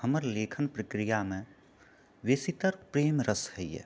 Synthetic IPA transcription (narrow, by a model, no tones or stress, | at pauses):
ɦəməɾleːkʰənpɾəkɾijamẽ | ʋesit̪əɾpɾeːmɾəsɦɛijɛ̰